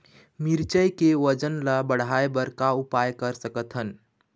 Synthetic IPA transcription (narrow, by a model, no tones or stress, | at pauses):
miɾt͡ʃəjkeʋəd͡ʒənlabəɽ̤aebəɾkaupajkəɾsəkət̪ɦən